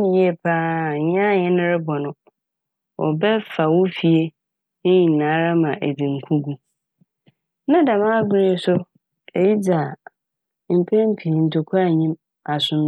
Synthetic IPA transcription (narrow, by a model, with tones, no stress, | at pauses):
jɛ˦˨pʰaː˦˨ɲ˦ã˦˨ɲɪ̃˦nɪ̃˦ɾɪ˦bɔ˨nʊ̃˦ | ʔɔ̰˨bɛ˦fa˨wʊ˦fi˨e˦ | nɪ̃˦ɲĩ˨nãː˨˦ɾa˦mã˨ʔæ˨dĩ˨ŋ̩˨kʰu˦ɡu˦ | nã˦da˨mã˦ɡʊ˦ɾi˦e˨sʊ˦ | ɛ˨ji˦d͡ʑa˨ | m̩˨pʰɛ̃˦m̩˦pʰi˨n̩˨tʰo˨kʰa˦˨ɲĩ˦m | a˨sʊ̃˨m